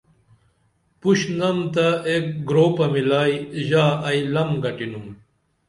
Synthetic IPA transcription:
puɕnɐmt̪aeːk̚ɡɾoːpɐmilaːjʑaːɐjlɐmɡɐʈinum

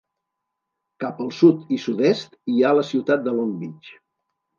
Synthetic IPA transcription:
kapəlˠsut̪isud̪ɛst̪ialəsiwt̪at̪̚d̪əlombit͡ʃ

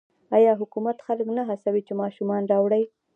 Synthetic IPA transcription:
ɑjɑɦʊkumat̪xaləknaɦasawit͡ʃemɑʃumɑnɾɑwɽaj

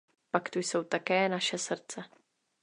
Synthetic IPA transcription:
pakt̪ujso̞wt̪akɛːnaʃɛsr̩t͡sɛ

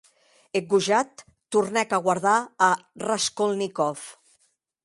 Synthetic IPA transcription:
eɡuʒat̪ː | urnɛkaɣwaɾðaːraskolˠnikɔf

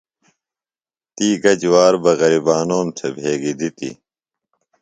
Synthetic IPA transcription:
t̪iːɡɐd͡ʑwaːɾbɐɣɐɾibaːnoːmt̪ʰebʱeːɡid̪it̪ḭ

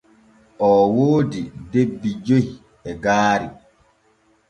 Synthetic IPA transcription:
ʔɔːwoːdidebːid͡ʒohi | ɛɡaːɾi

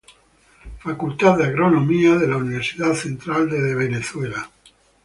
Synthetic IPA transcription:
fakult̪aððeaɣɾonõmiaðelauniβ̞eɾsiðaðθent̪ɾald̪eðeβ̞eneθwela

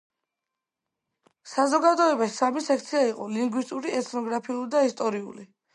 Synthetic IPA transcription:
sazɔɡad̪ɔɛbasamisɛk̚ʰt̪sʰiaiqʼɔliŋɡwist̪ʼuɾiɛt̪ʰnɔɡɾapʰiulid̪aist̪ʼɔɾiṵli

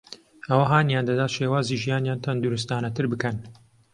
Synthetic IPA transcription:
ʔɐwɐɦaːnjaːnd̪ɐd̪aːt̪ʃeːwaːziːʒijaːnjaːnt̪ʰɐnd̪uɾust̪aːnɐt̪ʰɨɾbɨkɐn

